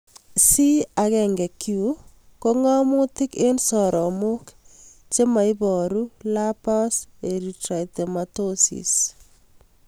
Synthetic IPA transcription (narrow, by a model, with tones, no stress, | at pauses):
si˦a˨kɛ˨ŋɡɛ˨kju˦ | ko˦ŋɔ˦mʊ˦tɪ˦ke˦nsɔ˨ɾʔɔ˨mʊ˦k | t͡ʃe˦ma˨ɪ˦bɔ˨ɾu˦la˦pɔ˦se˨ɾi˨tɾa˨i˨tɛ˨matosḭ˨s